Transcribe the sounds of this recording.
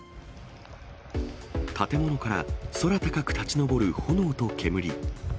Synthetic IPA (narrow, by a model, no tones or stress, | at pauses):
t̪at̪e̞mo̞no̞kaɾa̰so̞ɾat̪akakɯ̟̥t̪at͡ɕino̞bo̞ɾɯ̟ho̞no̞ːt̪o̞kʰe̞mɯ̟ɾʲi